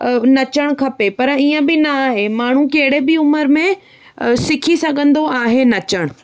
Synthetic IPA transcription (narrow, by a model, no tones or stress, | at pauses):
nɐt͡ɕəɽ̃kʰɐpepɐɾiːə̃bɪnɐaːɦemaːɳ̤ũkɐɦɪɽebɪʊməɾmẽ | sɪkʰisɐɠʱə̃nd̪oaːɦenɐt͡ɕəɽ̃